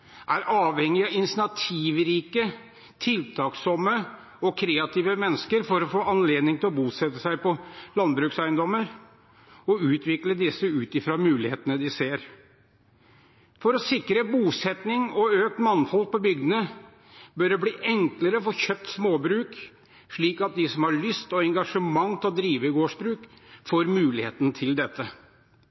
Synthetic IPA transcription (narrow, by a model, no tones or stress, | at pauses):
ʔæɾʔɑːʋhɛŋːɪɑɪnsɪnɑt̪ʰiːʋɾiːkə | t̪ʰɪlt̪ʰɑːksɔmːə | ɔkʰɾeːɑt̪iːʋəmɛnːəskəɾfɔɾɔfoːɑnleːd̪nɪŋt̪ʰɪlɔbuːsɛt̪ːəsæɪpɔlɑnbɾʉːksæɪənd̪ɔmːəɾ | ɔʉːt̪ʋɪkləd̪ɪsəʉːt̪ɪfɾɑmʉːlɪheːt̪ənəd̪ɪseːɾ | fɔɾɔsɪkɾəbuːsɛt̪nɪŋɔøːk̚t̪mɑnfɔlk̚pɔbʏɡd̪ənə | bœɖɛbliːʔɛŋkləɾəfɔçøp̚t̪smoːbɾʉːk | ʂɭiːkɑt̪̚d̪ɪsɔmhɑɭʏst̪ɔɛŋɡɑʂəmɑŋːt̪ʰɔd̪ɾiːʋəɪɡoːʂbɾʉːk | foːɾmʉːlɪheːt̪ənt̪ʰɪld̪ɛt̪ːə